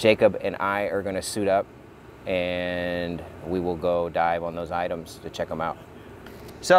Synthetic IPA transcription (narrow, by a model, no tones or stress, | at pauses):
ʒ̥eɪkɨbɨ̃nʔaɪə˞ɡʌnɨsʉɾʌp̚ | ʔɨ̃nwiwɪlˠɡoʊdaɪvə̃n̩ðoʊzaɪɾə̃mz̥tʰɨt͡ʃʰɛkə̃maʊt̚ | so